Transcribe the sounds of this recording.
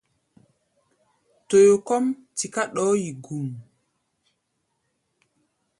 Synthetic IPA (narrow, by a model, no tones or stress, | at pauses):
tojokɔmtikaɗɔːjiɡum